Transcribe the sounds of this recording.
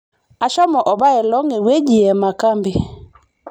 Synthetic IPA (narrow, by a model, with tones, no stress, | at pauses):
a˨ʃɔ˦mɔ˨ʔɔ˨ba˦ɛ˨lɔ˦ŋɪ˨we˦d͡ʒi˨ɛ˨ma˨ka˦mbi˨